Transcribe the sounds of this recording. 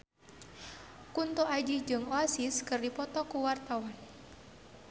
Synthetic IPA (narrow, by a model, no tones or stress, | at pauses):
kunt̪uad͡ʒid͡ʒɨŋɔasiskɨrdipɔt̪ɔkuwart̪awan